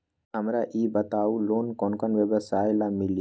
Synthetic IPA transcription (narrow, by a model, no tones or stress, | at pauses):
əmɾaʔiːbət̪aːuloːnkonkənʋəbəsaːjlamɪl